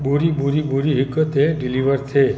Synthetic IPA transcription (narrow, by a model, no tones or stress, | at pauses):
buɾibʱuɾibʱuɾiɦikət̪eɖiliʋəɾtʰe